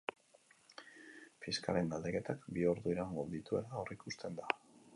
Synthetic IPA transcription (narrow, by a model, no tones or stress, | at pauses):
fiska̰le̞nd̪ald̪e̞ke̞t̪akbioɾðuiɾaŋɡo̞d̪it̪ue̞̰laorekust̪e̞nd̪a